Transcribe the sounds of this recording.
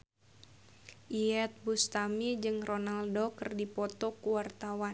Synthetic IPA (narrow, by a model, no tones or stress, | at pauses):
ʔiɛt̪̚bust̪amid͡ʒɨŋronaldokɨrdipɔt̪ɔkuwart̪awa